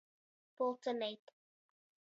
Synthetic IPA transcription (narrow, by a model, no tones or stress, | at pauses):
pɔlˠtənet